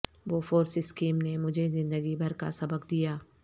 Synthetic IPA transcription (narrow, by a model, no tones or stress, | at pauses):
ʋoːfoːɾsɪskiːmnemʊd͡ʒʱezɪ̃nd̪əɡibʱɐɾka̰sɐbəkd̪ijaː